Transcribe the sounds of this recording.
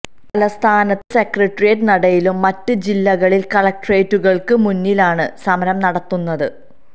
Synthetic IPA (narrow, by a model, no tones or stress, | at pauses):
pɐlɐst̪ʰaːnɐt̪ːɨsekrɐʈrijɐtnɐɽɐjilumːɐtːɨd͡ʑilːɐɣɐɭilkɐɭɐk̚ʈɐreːtːuɣɐɭkɨmunːilaːɳɨsɐmɐɾɐmnɐɽɐt̪ːunːɐðɨ